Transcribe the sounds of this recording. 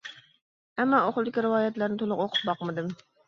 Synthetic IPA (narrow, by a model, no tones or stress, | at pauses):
ɛmːɑoχlˠɨd̪ɪkʲiɾɨwɑːjɛt̪læɾnɪt̪ʰolˠʊqoqʰʊ̥p̚bɑqmɨd̪ɨm